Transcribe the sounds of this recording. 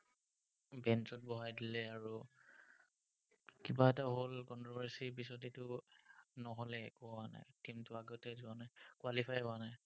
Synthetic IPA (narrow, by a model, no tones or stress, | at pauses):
bɛntɔt̚bɔɦajdilɛaɹu | kibaɛtaɦolkɔntɔbɛɹsibisɔtitʊ | nɔɦɔlɛkɔɔwana̰jtimtʊaɡɔtɛzuanakwalipʰajɔanaj